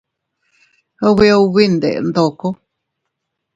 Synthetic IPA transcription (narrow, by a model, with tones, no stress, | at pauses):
o˧βi˧o˧βi˦nd̪ḛ˨˧nd̪o˨ko˦